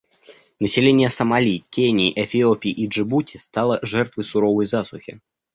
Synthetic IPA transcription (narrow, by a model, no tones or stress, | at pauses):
nəsʲɪlʲenʲɪjəsəmɐlʲikʲenʲɪːʔɛfʲɪopʲiʔiʐɨbutʲʰɪst̪ɑlˠəʐɛrt̪vɨjsʊɾovəjzasʊxʲɪ̰